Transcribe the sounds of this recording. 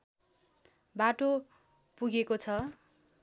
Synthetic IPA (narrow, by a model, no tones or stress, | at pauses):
baʈo | puɡekot͡sʰʌ